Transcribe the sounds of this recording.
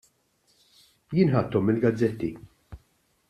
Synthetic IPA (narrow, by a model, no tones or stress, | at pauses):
jɪːnħɐt̪ːɔmːɪlɡɐd͡zːɛt̪ːi